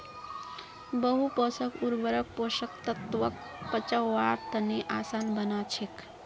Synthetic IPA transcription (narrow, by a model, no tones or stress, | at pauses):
bəɦupəsəkuɾbəɾək̚posəkt̪ət̪ʋək̚ | pət͡ʃaːaɾt̪əneʔasanbənat͡ʃʰek